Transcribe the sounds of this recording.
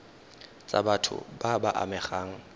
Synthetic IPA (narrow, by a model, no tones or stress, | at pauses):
t͡sʼa̰batʰʊ̰babaʔa̰mɛχaːŋ̩